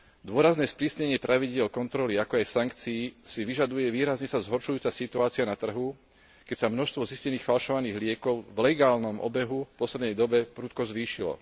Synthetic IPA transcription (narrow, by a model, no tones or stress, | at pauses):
d̪ʊɔɾaznɛːspɾiːsɲɛɲɪɛpɾʔaʋiɟɪɛlkɔnt̪ɾɔliakɔajsaŋkt͡siːsiʋiʒad̪ujɛʋiːɾazɲɛsazɦɔɾʃujuːt͡sasit̪uaːt͡sianat̪r̩ɦu | kɛcsamnɔʃst̪ʋɔziscɛniːxfalʃɔʋaniːɣlɪɛkɔʊvlɛɡaːlnɔmʔɔ̰bɛɦufpɔslɛd̪nɛjd̪ɔbɛpɾuːt̪̚kɔzʋiːʃilɔ̰